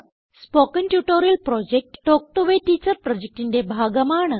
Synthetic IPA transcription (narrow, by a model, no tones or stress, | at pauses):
spokənʈjuʈoɾəlpɾɔd͡ʑek̚ʈːok̚ʈoʋeʈit͡ɕəɾpɾɔd͡ʑek̚ʈind̪ebʱaɡəmaːɳ